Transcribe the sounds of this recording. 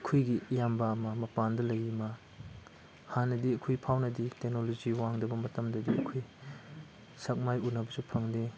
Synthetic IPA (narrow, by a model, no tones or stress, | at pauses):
ɐkʰojɡijambɐːmɐmɐpandɐlɐjimɐ | hanːɐdiɐkʰojpʰawnɐditek̚noloziwaŋdɐbɐmɐtɐmdɐdiɐ̰kʰoj | sɐk̚majunɐbɐsupʰɐŋde